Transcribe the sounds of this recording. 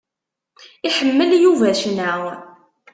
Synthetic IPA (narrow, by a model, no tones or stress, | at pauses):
iħəmːəljuvæʃnæw